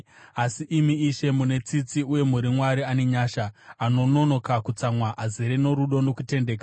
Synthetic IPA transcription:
asiʔimiːʃe̞mune̞t͡sit͡siuje̞muɾimwaɾiane̞ɲaːʃaːno̞no̞no̞kakut͡samwaʔaziɾeno̞ɾuɗo̞no̞kute̞nde̞ːka

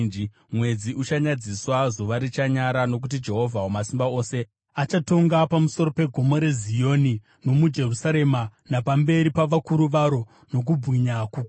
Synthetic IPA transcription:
i | mwe̞d͡ziʔut͡ʃaɲad͡ziswazoʋaɾit͡ʃaɲaɾano̞k̬ut̬id͡ʒe̞ɦo̞vʱawomasimbao̞ːse̞ | at͡ʃato̞ŋɡapamuso̞ɾo̞pe̞ɡʱo̞mo̞ɾe̞zijo̞ni | no̞mud͡ʒe̞rusaɾe̞manapambe̞ɾipaʋakuɾuʋaɾo̞ | no̞k̬ubwiɲakuk

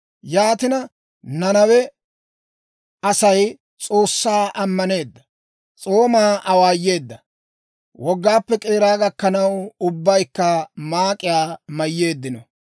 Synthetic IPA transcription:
jaːt̪ɪnɐ | nɐnɐwɛ | ɐsɐj | t͡sʼo̞ːsːaːʔɐmːɐne̞ːd̪ːɐ̥ | t͡sʼo̞ːmaːʔɐwaːjːe̞ːd̪ːɐ | wɔɡːaːpːɛkʼeːɾaːɡɐkːɐnɐwʊbːɐjkːɐmaːkʼɪjaːmɐjːe̞ːd̪ːɪnɔ

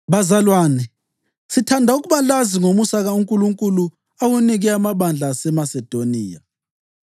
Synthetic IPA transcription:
βazalwaːnɛ | sitʰandʱauɣuβalaziŋomusaɣauŋkʼuluŋkʼulu | awuniɣɛamaβand͡ɮʱasɛmasɛd̥ʱoniːja

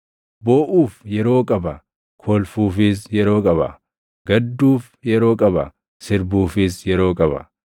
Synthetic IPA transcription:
boːʔuːfjɛɾo̞ːkʼɐbɐ̰ | kʰoːlfuːfɪsjɛɾo̞ːkʼɐbɐ̰ | ɡ̥ɐd̪ːuːf | jɛɾo̞ːkʼɐbɐ̰ | sɪɾbuːfɪsjɛɾo̞ːkʼɐbɐ̰

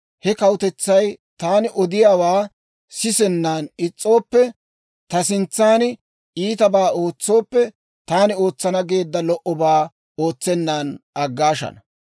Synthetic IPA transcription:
hɛkɐwt̪ɛt͡sːɐjt̪aːnɪʔɔd̪ɪjaːwaː | sɪsɛnːaːnɪt͡sʼːo̞ːpːɛ | t̪ɐsɪnt͡sːaːn | iːt̪ɐbaːo̞ːt͡sːo̞ːpːɛ | t̪aːnɪo̞ːt͡sːɐnɐɡe̞ːd̪ːɐlɔʔɔbaː | o̞ːt͡sːɛnːaːnɐɡːaːʃɐ̰nɐ

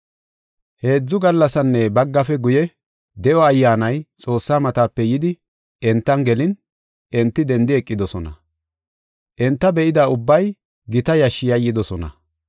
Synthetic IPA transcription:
he̞ːd͡zːʊɡɐlːɐsɐnːɛbɐɡːɐfɛɡʊjɛ | d̪ɛʔɔɐjːaːnɐjt͡sʼo̞ːsːaːmɐt̪aːpːɛjɪd̪ɪ | ɛnt̪ːɐnɡɛlɪn | ʔɛnt̪ːɪd̪ɛnd̪ɪɛkʼːɪd̪ɔsɔnɐ̰ | ʔɛnt̪ːɐbɛʔɪd̪aʊbːɐj | ɡɪt̪ɐjɐʃːɪjɐjːɪd̪ɔsɔnɐ̰

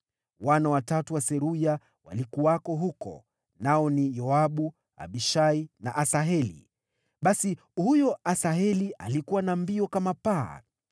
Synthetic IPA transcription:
wanawatatuwasɛɾuja | wa̰likuwakɔɦukɔ̰ | naɔnijɔaɓu | a̰ɓiʃaina̰ʔasaɦɛlḭ | ɓasi | hujɔʔasaɦɛliʔa̰likuwanambiɔkamapa̰ː

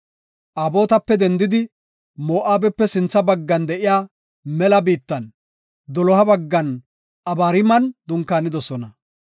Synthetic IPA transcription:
ʔaːbo̞ːt̪ɐpːɛd̪ɛnd̪ɪd̪ɪ | mo̞ːʔaːbɛpːɛsɪnt͡sːɐbɐɡːɐnd̪ɛʔɪjaː | mɛlɐbiːt̪ːɐn | d̪ɔlɔhɐbɐɡːɐn | ʔɐbaːɾɪmɐnd̪ʊŋkːaːnɪd̪ɔsɔnɐ

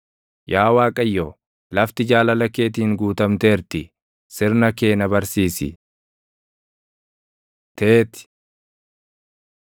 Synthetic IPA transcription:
jʔaːwaːkʼɐjːo | lɐft̪ɪd͡ʒaːlɐlɐkːe̞ːt̪̬iːŋɡuːt̪ɐmt̪e̞ːɾt̪ɪ | sɪɾnɐke̞ːnɐbɐɾsiːsɪ̰ | t̪eːt̪ɪ̥

